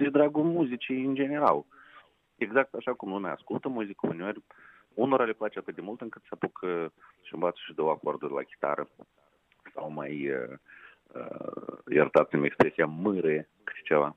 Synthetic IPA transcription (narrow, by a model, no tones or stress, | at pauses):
ed̪ɾaɡumuzʲit͡ʃiɨnd͡ʒe̞neɾal | eɡzak̚t̪aʃakumlumʲaːskulˠt̪əmuzʲikəṵneerʲ | unoɾalʲeplat͡ʃeat̪ɨt̪̚d̪ʲemulˠt̪ɨŋkɨt̪səapukʰəʃimvat̪sə̥ʃid̪owako̞rd̪urʲla̰kʲi̥t̪a̰ɾʔə | sawma̰jə | ə̰jḛrt̪at̪sʲimekspɾesʲijamɨɾe | kɨ̥t̪t͡ʃeva